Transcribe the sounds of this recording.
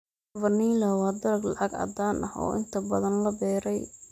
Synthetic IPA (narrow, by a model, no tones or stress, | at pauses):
vɐniːlɐwɑːd̪ɐɾɐɡlɑ̰ʕɑɡɐ̰d̪aːnʔɐhɔ̰ːʔɪ̰nt̪ʰɐbɐðɐnlɐbɛːɾɛj